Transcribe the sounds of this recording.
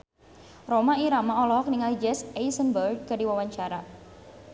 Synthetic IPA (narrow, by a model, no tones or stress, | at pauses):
romaiɾamaɔlɔɦɔk̚niŋalid͡ʒɛsejsənbərd̚kədiwawaɲt͡ʃaɾa